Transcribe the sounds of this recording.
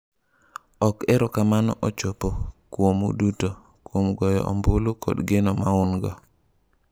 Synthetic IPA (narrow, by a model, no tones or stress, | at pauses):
ɔkɛɾɔkamanɔ̰ʔot͡ʃopokwomṵduto | kwomɡɔjɔ̰ʔɔ̰mbʊlukɔ̰dɡenɔmaʊnɡɔ